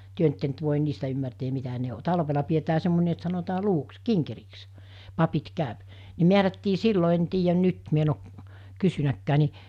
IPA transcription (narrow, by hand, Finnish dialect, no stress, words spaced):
tyø nt etːe nt ʋoˑen niːstæ ymːærteːm̆ mitæ ne o tɑlʋelɑ pietæː semːonʲe et sɑnotɑː luʋuks kiŋkeriks pɑpit kæˑøp ne miærætːiː silːo en tiːjæn nyt mi en o kysynækːæː ni